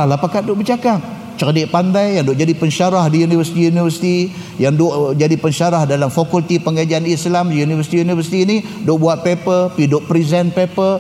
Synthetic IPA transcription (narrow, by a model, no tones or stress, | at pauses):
alapakat̪̚doʔbəd͡ʒakap̚ | t͡ʃərdɪʔpandajːaŋdʊʔd͡ʒadipəɲʃaɾahdijunivəsi̥t̪ijunivərsi̥t̪i | jaŋdoʔd͡ʒadipəɲʃaɾahdalamfokult̪ipəŋɡad͡ʒaanislamdijunivəsi̥t̪iunivəsi̥t̪iːni | doʔbuat̪̚pepəpidoʔpɾizɛnpepə